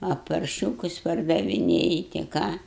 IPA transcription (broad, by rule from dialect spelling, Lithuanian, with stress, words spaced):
ɐ pɐrʲˈʃʲuːkʊs pɐrdɐʋʲɪˈnʲeːjɪ tʲɪ ˈkɑː